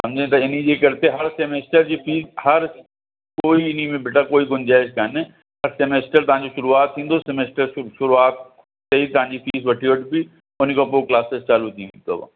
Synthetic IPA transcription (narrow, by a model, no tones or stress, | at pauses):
sɐ̃md͡ʑʱẽt̪ɐɪnĩd͡ʑeːkɐɾt̪eɦɐɾsemeːsʈəɾd͡ʑiːfʰiːzhɐɾ | koːiɪnimẽbʱɪʈakoːiɡʊ̃nd͡ʑaːɪskaːne | ɦɐɾsemeːsʈəɾt̪ɐʋ̤ãːɲ̆d͡ʑoʃʊɾuaːt̪ʰːĩːn̆d̪osemeːsʈəɾʃʊɾuaːt̪̚ | seit̪ɐʋ̤ãːɲd͡ʑifʰiːsʋɐʈʰiʋəʈbi | ʊnkʰãpoːklaːsest͡ɕaːlut̪ʰĩːt̪o̰ba̰